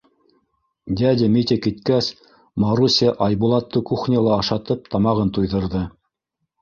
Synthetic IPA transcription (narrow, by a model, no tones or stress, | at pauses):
d̪ʲæd̪ʲɪmʲit̪ʲɘkit̪kæs | mɑɾusʲiʔɑjbulˠɑt̪ːɤkuχnʲɑlˠɑːʃɑt̪ɤp̚t̪ɑmɑʁɤnt̪ujðɤ̆ɾðɤ